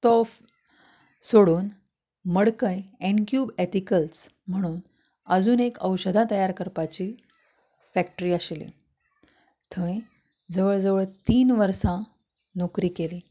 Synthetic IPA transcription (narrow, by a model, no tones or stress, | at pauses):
t̪ɔf | soɽuːn | məɽkəjenkjuːbet̪ikəls | m̤əɽ̃uːn | əd͡zuːnekəwɕəd̪ʱat̪əjaɾkəɾpat͡ɕiː | fæk̚ʈəɾiːəɕlḭ | t̪ʰə̃ĩ | d͡zəʋəɭd͡zəʋəɭt̪iːnʋəɾsã | nokɾiːkeliː